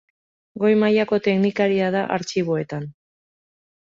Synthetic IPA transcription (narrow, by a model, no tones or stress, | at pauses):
ɡo̞jmajako̞t̪e̞knikaɾiaðaʔa̰ɾt͡ʃiβ̞o̞e̞t̪an